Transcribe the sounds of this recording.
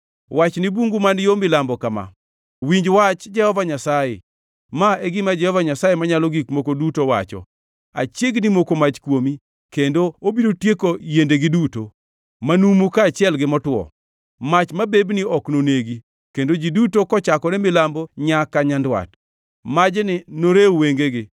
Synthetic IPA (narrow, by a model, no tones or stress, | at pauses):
wat͡ʃnibuŋɡumanjomɪlambɔkama̰ | wiɲd͡ʒwat͡ʃd͡ʒɛhɔvaɲasajḛ | maɛɡɪmad͡ʒɛhɔvaɲasajemaɲalɔɡikmokodutowa̰t͡ʃɔ̰ | a̰t͡ʃjeɡnimokomat͡ʃkwomi | kendoobiɾotjekojendeɡɪduto | manumukat͡ʃɪɛlɡɪmɔtwɔ̰ | mat͡ʃmabebniɔknoneɡi | kendod͡ʒidutokɔt͡ʃakɔnɛmɪlamboɲakaɲandwa̰t | mad͡ʒnɪnoɾeweŋɡeɡɪ